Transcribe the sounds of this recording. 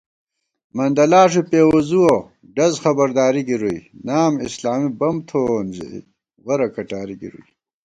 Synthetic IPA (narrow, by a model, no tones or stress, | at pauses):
mɐnd̪ɐlaːʂipeːwozuwo | ɖɐzxɐbɐɾd̪aːɾiɡiɾuinaːmislaːmibɐmt̪ʰonzḭḭ | ɣɐɾɐkɐʈaːɾiɡḭɾṵi